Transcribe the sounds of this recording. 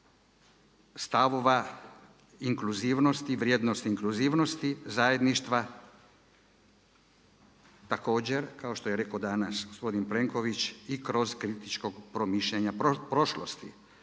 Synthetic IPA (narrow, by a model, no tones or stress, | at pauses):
st̪aʋoʋa | iŋkluziːʋno̞st̪iʋɾjeːd̪nost̪iiŋkluziːʋno̞st̪izajed̪niʃt̪ʋa | t̪ako̞ːd͡ʑe̞ɾkao̞ʃt̪ojeɾe̞kod̪anasɡospo̞d̪inple̞ŋko̞ʋit͡ʃikɾo̞zkɾit̪it͡ʃko̞ɡpɾo̞miʃʎeɲapɾpɾo̞ʃlo̰st̪i